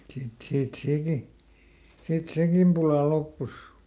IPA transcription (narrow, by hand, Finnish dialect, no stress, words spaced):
sit siːt seˑki sit sekim pulɑ lopːus